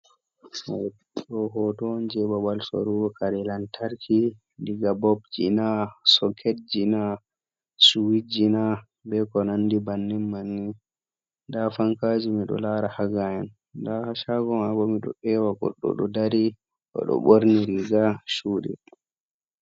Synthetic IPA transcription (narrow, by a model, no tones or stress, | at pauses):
ɗɔɦɔtɔnd͡ʒɛbawalso̰ɾuwɔkaɾɛlantaɾkʰi | ndiɡabɔbd͡ʒḭnasɔkʰed͡ʒina | suwid͡ʒina | bɛkɔnandibanːɛmmanːi | ndafaŋkad͡ʒimiɗɔ̰laɾahaɡajɛn | dahaʃaɡɔmabɔmiɗɔ̰ʔɛwaɡɔ̰ɗːɔ̰ɗɔdaɾi | ʔɔ̰ɗɔ̰ɓoɾniɾiɡaʃuːɗɛ̰